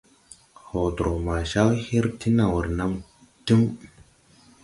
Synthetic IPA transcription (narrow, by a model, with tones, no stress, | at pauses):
ho˨t̪o˨ma˨ʃa˦whi˦ɾti˦na˨wu˨ɾna˦m | ti˦m